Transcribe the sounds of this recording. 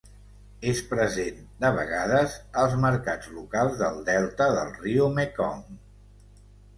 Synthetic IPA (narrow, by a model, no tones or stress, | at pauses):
espɾəzend̪əβə̰ɣaðəzəlˠzməɾkad͡zlukalˠzðəlˠd̪ɛlˠt̪əðəlˠriumekɔ̰m